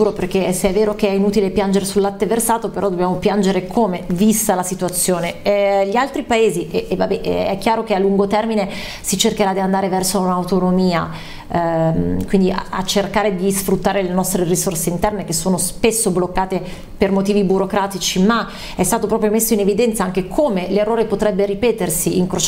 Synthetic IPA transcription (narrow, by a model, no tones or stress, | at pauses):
t̪uːɾoperkeseɛvːeːɾokeɛinuːt̪ilepjand͡ʒeɾesulːat̪ːeversaːt̪opeɾɔd̪objaːmopjand͡ʒeɾekʰomevist̪alasit̪uat̪sːjoːneɛʎialt̪ɾipaeːziʔevabɛʔɛkːjaːɾokealːuŋɡot̪ɛrmine | sit͡ʃerkeɾad̪iand̪aːɾevɛrsounawt̪onomiːa | kwind̪ia̰a̰t͡ʃːerkaːɾed̪isfɾut̪ːaːɾelenɔst̪ɾerisorseint̪ɛrnek̟esːoːnospesːoblokːaːt̪e | permot̪iːvibuɾokɾaːt̪it͡ʃima | ɛst̪aːt̪opɾɔːpɾjomesːoinevid̪ɛnt̪saaŋk̟ekʰomelerːoːɾepot̪ɾɛbːeripɛːt̪ersiiŋkɾo